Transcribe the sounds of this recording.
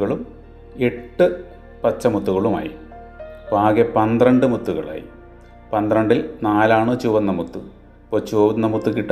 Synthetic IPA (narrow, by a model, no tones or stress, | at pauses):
ɣɐɭum | e̞ʈːɨ | pɐt͡ɕːɐmut̪ːuɣɐɭuma̰ːjḭ | bʱaːɡepɐnd̪rɐɳɖɨmut̪ːuɣɐ̰ɭa̰ːjḭ | pɐnd̪rɐɳɖilnaːlaːɳɨt͡ɕuʋɐnːɐmut̪ːu | poːt͡ɕuːʋɐnːɐmut̪ːukiʈː